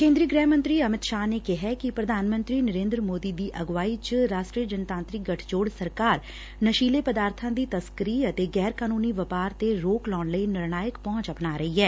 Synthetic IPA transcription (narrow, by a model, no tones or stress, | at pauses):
kẽːnd̪ɾiːəɡɾɛːmə̃nt̪ɾiːəmɪt̪ʃaːneːkɪɦɛːkɪpɾəd̪ʱaːnmə̃nt̪ɾiːnəɾẽːnd̪ɾəmoːd̪iːd̪iːʔəɡʋaːiːt͡ʃəɾaːʃʈɾiːjəd͡ʒənt̪ãːnt̪ɾɪk̚ɡəʈʰd͡ʒoːɽsəɾkaːɾ | nəʃiːleːpəd̪aːɾt̪ʰãːd̪iːt̪əskəɾiːət̪eːɡɛːɾkaːnuːniːʋəpaːɾt̪eɾoːklɔːɳləiːnɪɾnaːjəkpɔ̃ːt͡ʃəpnaːɾəɦiːɦɛː